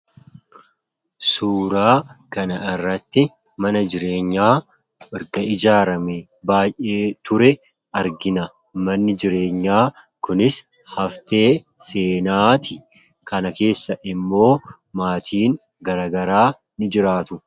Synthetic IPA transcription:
suːɾaːkɐnɐɪrːɐt̪ːɪ | mɐnɐd͡ʒɪɾeːɲːaː | ʔɪɾɡɐɪd͡ʒaːɾɐmɛ | baːjʔe̞ːt̪ʊɾɛ | ɐɾɡɪnɐ | mɐnːɪd͡ʒɪɾe̞ːɲːaː | kʊnɪs | hɐft̪e̞ː | se̞ːnaːt̪ɪ | kɐnɐke̞ːsːɐʔɪmːo̞ː | maːt̪ʰiːn | ɡɐɾaːɡɐɾaː | nɪd͡ʒɪɾaːt̪ʊ

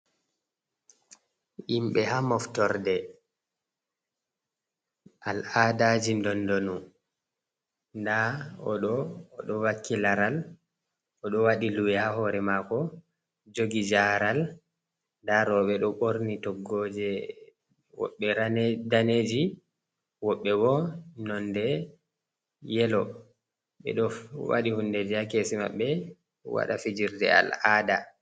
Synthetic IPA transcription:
imɓɛhamɔftɔɾdɛ | ʔaladad͡ʒindɔndonu | ndaɔɗɔːɗɔwakːilaɾal | ɔɗɔwaɗiluwɛhahɔɾɛmakɔ | d͡ʒoɡid͡ʒaɾal | daɾɔɓɛɗɔɓoɾnitɔɡːɔd͡ʒɛ | wɔ̰ɓːɛɾandaned͡ʒi | wɔɓːɛbɔnɔndɛ | jɛlɔ | ɓɛ̰ɗɔwa̰ɗihundɛd͡ʒɛakesima̰ɓːɛ | wa̰ɗafid͡ʒiɾdɛ̰a̰lada

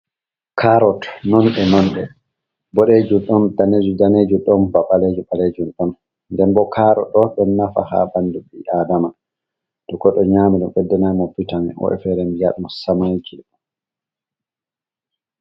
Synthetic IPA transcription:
kʰaɾɔtnɔnɗɛnɔnɗɛ | bɔɗed͡ʒuɗɔndaned͡ʒudaned͡ʒuɗɔnbaɓaled͡ʒuɓaled͡ʒunɗɔn | ndɛnbɔkʰaːɾɔ̰ɗɔɓɛnafa̰ha̰banduɓiʔadama | d̥ɔkɔɗɔɲaːmiɗumɓɛdːɛnajmɔpːitamɛ̰ʔɔ̰ʔɛ̰fɛɾɛmbijaɗumɔsamajkʰi

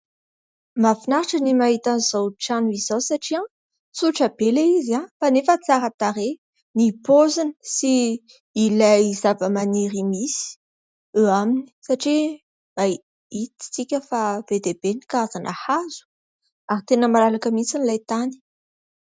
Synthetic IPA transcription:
mafinaɾaʈ͡ʂənimaɦit̪aniz̥awʈ͡ʂanuizawsaʈ͡ʂiã | suʈ͡ʂabelaizãfanefət͡saɾat̪aɾe | nipozini̥siː | lajzavəmaniɾimisi̥ | uamini̥saʈ͡ʂi | a | it̪i̥t͡sikʲəfab̥ed̪ebenikaazanʔahazu̥ | aɾit̪enəmalalakəmisinilajt̪ani̥

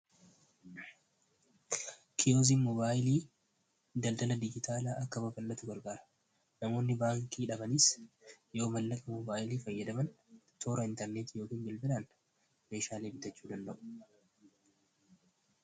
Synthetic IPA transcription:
kʰɪoːziːnmɔbaːjɪliː | d̪ɐld̪ɐlɐd̪ɪd͡ʒɪt̪aːlaːʔɐkːɐbɐbɐlːɐt̪ʊɡɐɾɡaːɾɐ̥ | nɐmo̞ːnːɪbaːŋkiːᶑɐbɐnɪsjo̞ːmɐlːɐkʼɐmɔbaːjliːfɐjːɐd̪ɐmɐnt̪ʰo̞ːɾɐɪnt̪ɛɾneːt̪ijo̞ːkiːnbɪlbɪlan | me̞ːʃaːle̞ːbɪt̪ɐt͡ʃːuːd̪ɐnd̪ɐʔʊ̥

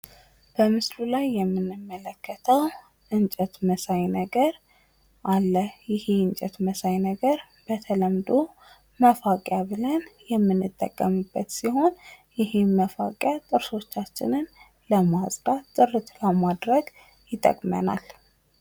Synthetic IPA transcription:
b̥əmɨslulajːɛmːɨnːɨmːələkːət̪ʰəw | ʔɨnt͡ʃʼɛt̪məsajnəɡəɾ | ʔalːəhjɪheɨnt͡ʃʼət̪məsajnəɡəɾ | b̥ət̪ʰələmd̪o | məfakʼjaβɨlənjɛmːɨnːɨt̪ʼːə̰kʼːəmubːət̪siɦo̞njɪheməfa̰kʼjat̪ʼɨɾso̞t͡ʃːat͡ʃːɪ̰nɨn | ləmasʼd̪at̪ʼːɨrːɨt̪ʰləmad̪ɾəɡ | jɪt̪ʼə̰kʼmə̰na̰l

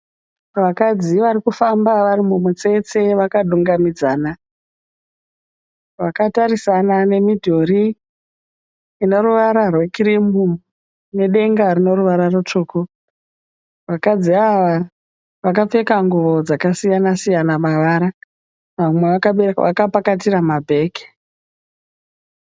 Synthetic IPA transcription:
ʋakad͡ziʋaɾikufambaʋaɾimumwut͡se̞t͡se̞ʋakaɗuŋɡamid͡zaːna | ʋakataɾisanane̞midʱo̞ɾi | no̞ɾuʋaɾarwe̞kirimbu | ne̞ɗe̞ŋɡarino̞ɾuʋaɾarut͡ʂoːko | ʋakad͡ziaʋa | ʋakap͡fe̞kaŋɡuʋo̞d͡zakasijanasijanamaʋaɾa | ʋamweʋakaɓeʋʔa̰kapakatiɾamabʱe̞ːki̥

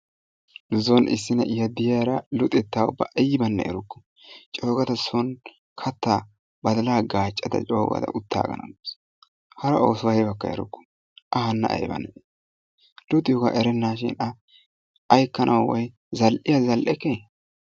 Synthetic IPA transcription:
zɔnʔɪ̰sːɪnɐ̰ʔɪjɐd̪ɪjɐɾɐlʊt̪ʼɛt̪ːaːʊ̰bːɐʔɐjɪbɐnːɐ̰ʔɛɾʊkːɔ̥ | t͡ʃʼo̞ːɡɐt̪ɐsɔn | kʰɐt̪ːaː | bɐd̪ɐlaːɡaːt͡ʃʼːɐt̪ɐ̰t͡ʃʼo̰ːɡɐ̰t̪ɐ̰ʔʊt̪ʰːa̰ːɡɐ̰nɐ̰mɪs | hɐɾɐoːswɐjɛbɐkːɐ̰ɛ̰ɾʊ̰kːɔ̥ | ʔɐhɐnːɐ̰ʔɐ̰jbɐ̰nːɐ | lʊt̪ʼɪjɔɡa̰ʔɛɾɛnːaːʃɪ̰nɐ | ʔɐjkːɐnʔɐwwɔj | zɐlʔɪjɐzɐlʔɛkːe

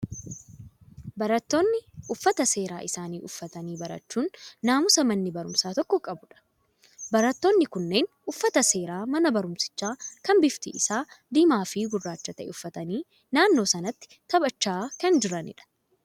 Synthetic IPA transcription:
bɐɾɐt̪ːo̞ːnːɪʔʊfːɐt̪ɐse̞ːɾa̰ːʔɪsaːniːʔʊfːɐt̪ɐniːbɐɾɐ̰t͡ʃːuːnːaːmʊsɐmɐnːɪbɐɾʊmsaːt̪ɔkːɔkʼɐbʊᶑɐ̥ | bɐɾɐt̪ːo̞ːnːɪkʊnːe̞ːnʔʊfːɐt̪ɐse̞ːɾaːmɐnɐbɐɾʊmsɪ̥t͡ʃːaːkɐmbɪft̪ɪʔɪsaːd̪iːmaːfɪɡʊrːaːt͡ʃːɐt̪ɐʔɛ̰ʊfːɐt̪ɐniː | naːnːo̞ːsɐnɐt̪ːɪ̥t̪ɐbɐt͡ʃːaːkɐnd͡ʒɪɾɐnɪ̰ᶑɐ̥

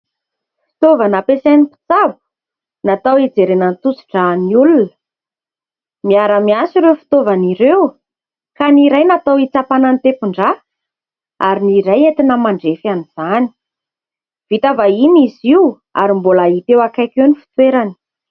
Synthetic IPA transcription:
fi̥t̪ovanapesajnipi̥t͡savu̥ | nat̪awid͡zeɾenənt̪ut͡si̥ʈ͡ʂaniulunə̥ | miaɾəmiasiɾefi̥t̪ovaniɾew | kaniɾajnat̪awit͡sapanant̪epuɳɖ͡ʐa | aɾiniɾajent̪inəmaɳɖ͡ʐefaniz̥ani̥ | v̥it̪avainiziw | a̰ɾimbolait̪ewakajkenifi̥t̪weɾani̥

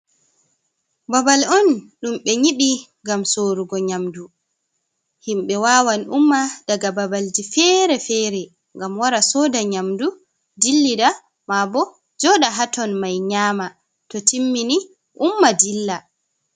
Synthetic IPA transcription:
babalɔnɗumɓɛɲiɓiŋɡamsoɾuɡɔɲamdu | himɓɛwaːwanumːad̥aɡababald͡ʒifɛɾɛfɛːɾɛ | ŋɡamwaɾasɔdaɲamdu | dilːida | mabɔ | d͡ʒɔɗaɦatɔnmajɲaːma | tɔtimːini | ʔumːadilːa

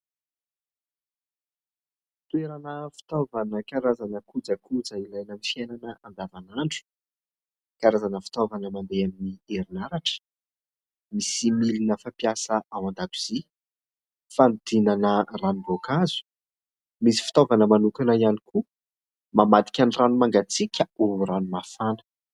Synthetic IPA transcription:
t̪uweɾanəfi̥t̪ovanəkaɾazanəkud͡zakud͡zailajnəmifjananəand̪avanaɳɖ͡ʐu̥ | kaɾazanəfi̥t̪ovanəmand̪eaminieɾinaɾaʈ͡ʂə̥ | misimilinəfapijasəʔawand̪at̪iz̥i | fanid̪̥inanəranubokazu̥ | misi̥fi̥t̪ovanəmanukanaianiku | mamat̪i̥kʲanranumaŋɡat͡sikʲəuɾanumafanə̥

